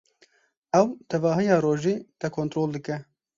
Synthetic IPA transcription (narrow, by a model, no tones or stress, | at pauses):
ɛwt̪ʰɛvɑːɦɨjɑːɾoːʒiːt̪ɛkʰoːnt̪ɾoːld̪ɨkɛ